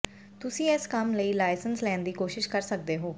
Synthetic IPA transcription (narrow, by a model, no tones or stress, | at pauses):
t̪ʊsĩːɛskəmləiːlaːɪsənslɛːnd̪iːkoːʃɪʃkəɾsək̚d̪eːɦoː